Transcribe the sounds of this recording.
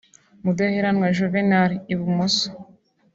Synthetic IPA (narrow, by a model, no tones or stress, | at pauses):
mudaheɾanŋwaʒovenaɾiβumuso̥